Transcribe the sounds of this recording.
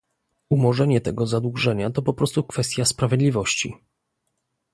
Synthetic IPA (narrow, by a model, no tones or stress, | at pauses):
umɔʐɛɲɛt̪ɛɡɔzad̪wuʐɛɲat̪ɔpɔpɾɔst̪ukfɛst̪ʲjaspɾavʲjed̪lʲivɔɕt͡ɕi